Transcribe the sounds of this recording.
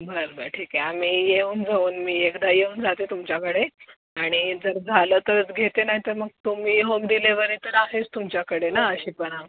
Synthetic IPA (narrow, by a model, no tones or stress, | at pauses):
bʱəɾbʱəɾʈʰiːkeamiːjeuːnd͡zauːnmiːekd̪ajeuːnd͡zʱat̪et̪umt͡ɕjakəɽe | aɽ̃id͡zəɾd͡zʱaləːt̪əɾət͡sɡʱet̪enaɦit̪əɾməɡ̚t̪umiːɦomd̪ileʋəɾit̪əɾaɦest̪umt͡ɕjakəɽenaəɕiːpəɽ̃a